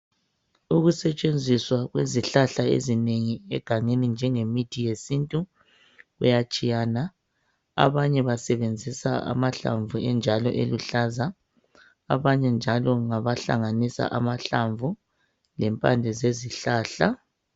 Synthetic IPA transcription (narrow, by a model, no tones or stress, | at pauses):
uɣusɛt͡ʃʼend͡zʱiswaɣweziɬaɬaḛzineŋiɛɡ̥ʱaŋenind͡ʒʱɛŋemid̥ʱijesintʼu | ɣṵjat͡ʃʼijaːna | a̰βaɲɛβasɛβend͡zʱisaa̰maɬa̰ɱvuɛnd͡ʒʱalɔ̰ʔeluɬaza | a̰βaɲɛnd͡ʒʱalɔŋaβaɬa̰ŋanisa̰ʔamaɬaɱvʱu | lɛmpʼa̰nd͡ɮʱɛzeziɬaːɬa